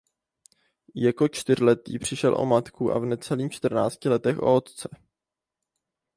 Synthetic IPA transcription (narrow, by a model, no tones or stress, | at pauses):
jako̞t͡ʃt̪ɪr̝lɛt̪ḭːpr̝̥ɪʃɛlʔo̞̰mat̪kuʔa̰vnɛt͡sɛliːmt͡ʃt̪r̩na̰ːt͡scɪlɛt̪ɛxʔo̞̰ot̪t͡sɛ